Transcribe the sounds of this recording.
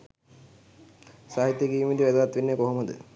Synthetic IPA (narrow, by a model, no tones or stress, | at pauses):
saːɦit̪ːjeɡiːmːid̪iʋæd̪uʋat̪ːʋinːekoɦoməd̪ə̰